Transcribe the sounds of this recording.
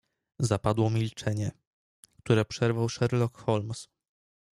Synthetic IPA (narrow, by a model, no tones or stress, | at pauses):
zapad̪wɔmʲilt͡ʂɛɲɛ | kt̪uɾɛpʂɛɾvawʂɛɾlɔkxɔlms